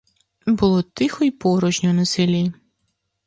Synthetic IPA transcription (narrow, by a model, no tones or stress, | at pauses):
bʊlˠɔt̪ɪxɔjpɔɾɔʒnʲɔnɔsɪlʲiji